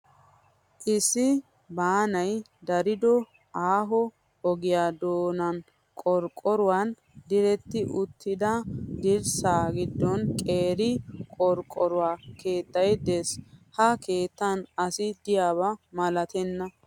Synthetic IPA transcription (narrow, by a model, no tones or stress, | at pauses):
ʔɪsːɪ | baːnɐj | d̪ɐɾɪd̪ɔ | ʔaːɦɔ | ɔɡɪjaːd̪oːnɐn | kʼɔɾkʼɔɾʊwan | d̪ɪɾɛt̪ːɪʔʊt̪ʰːɪd̪ɐd̪ɪɾsaːɡɪd̪ːɔnkʼeːɾɪkʼɔɾkʼːɔɾʊwaːke̞ːt̪ːɐjd̪eːshɐke̞ːt̪ːɐnɐsɪd̪ɪjaːβɐmɐlɐt̪ɛnːɐ